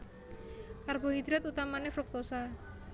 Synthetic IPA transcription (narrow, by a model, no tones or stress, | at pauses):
karbɔɦid̪ɾat̪ut̪amanefɾuk̚t̪usa